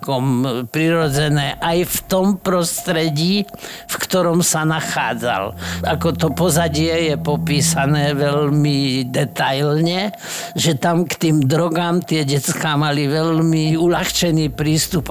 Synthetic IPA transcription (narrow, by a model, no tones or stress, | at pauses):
kɔmpɾiɾɔd͡zɛnɛːʔajft̪ɔmpɾɔst̪ɾɛɟiːfkt̪ɔɾɔmsanaxaːd͡za̰lakɔt̪ɔpɔzaɟɪɛjɛpɔpiːsanɛːʋɛlmid̪ɛt̪ajlɲɛ | ʒɛt̪amkt̪iːmd̪ɾɔɡaːmt̪ɪɛɟɛt͡skaːmaliʋɛlmiulaxt͡ʃɛniːpɾiːst̪up